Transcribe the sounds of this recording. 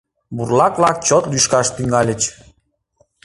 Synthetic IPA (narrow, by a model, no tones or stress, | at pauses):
burlɑklɑk̚t͡ɕot̪lyʃkɑʃt̪yŋɡɑlʲət͡ɕ